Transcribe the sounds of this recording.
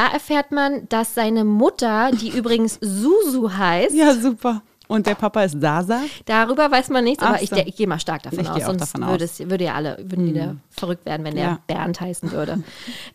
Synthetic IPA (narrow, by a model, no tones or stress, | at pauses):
d̥aːʔɛɐfɛːɐtmand̥asz̥aɪnəmʊtɐd̥iːʔyːbʁɪɡŋ̩szuːzuɦaɪstjazuːpɐ | ʔʊnt̚d̥eːɐpʰapaɪstz̥aːzad̥aʁyːbɐvaɪsmanːɪçtt͡sʔaːbɐʔɪçɪçɡ̥eːmaːlʃtaɐk̚d̥affɔna̰sɔnstvʏɐɾəɛsjvʏɐɾəja̰ːʔa̰lə̰vʏɐdn̩viːdɐfɛɐʁʏktv̥ḛːɐdn̩vɛneːɐb̥ɛ̰ɐnthaɪsn̩vʏ̰ɐɾə̰